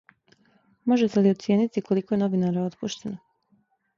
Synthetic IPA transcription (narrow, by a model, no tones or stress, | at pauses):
mo̞ʒe̞t̪e̞liot̪sje̞ːnit̪iko̞liko̞je̞no̞ʋinaɾao̞t̪puʃt̪e̞no